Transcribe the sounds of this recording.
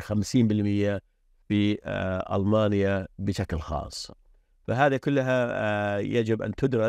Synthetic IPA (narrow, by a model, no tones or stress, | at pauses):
xamsiːmbɪlmɪjːa | fiʔa̰lmaːnjabɪʃaklxɑ̰ːsˤː | faɦaːðikʊlːɦa | jad͡ʒɪbʔa̰nt̪ʊd̪ɾɪ